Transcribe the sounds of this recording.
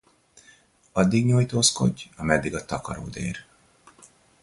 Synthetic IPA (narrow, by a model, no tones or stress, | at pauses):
ɒd̪ːiɡɲojt̪oːsko̞̰ɟːɒmɛd̪ːiɡɒt̪ɒkɒɾo̰ːd̪ḛːr